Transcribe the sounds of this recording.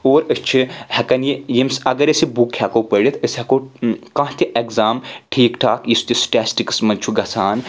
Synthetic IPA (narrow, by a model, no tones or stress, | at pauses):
oːɾəst͡ʃʰihɐkɐnjijimsɐɡɐɾɐsibukʰhʲakoːpəɽʲit̪ʰəsʲhɐkoːkãːt̪ʲiʔekzaːmʈʰeːkʈʰaːkjisu̥t̪ʲisʈaːsʈikɨ̥smɐnt͡ʃʰuɡɐsʰaːn